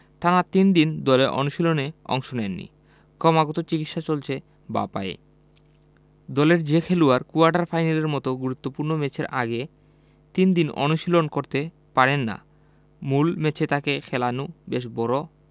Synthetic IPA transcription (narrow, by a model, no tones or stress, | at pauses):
ʈʰanat̪ind̪ind̪ɔleʔɔ̰nuʃiloneɔ̰ŋʃonenːḭ | kɔmaɡɔt̪ot͡ɕikit̪ʃat͡ɕolt͡ɕʰe | ba̰pa̰ḛ | d̪ɔleɾd͡ʑekʰeluaɾkuaɾɖaɾfʰajnaleɾmɔt̪oɡuɾut̪ːopuɾnomet͡ɕʰeɾʔa̰ɡe | t̪ind̪inɔ̰nuʃilonkoɾt̪e | paɾenːa̰ | mulmet͡ɕʰet̪akekʰɛlanubeʃbɔɾo